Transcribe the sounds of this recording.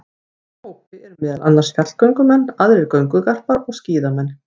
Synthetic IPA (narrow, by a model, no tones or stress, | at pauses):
owɪɛɾʏmːɪːðalʔanlasfjat̪l̥kœɥŋkʏmɛnːaðɾɪɾkœɥŋkʏkar̥paɾɔɣsciːðamɛnː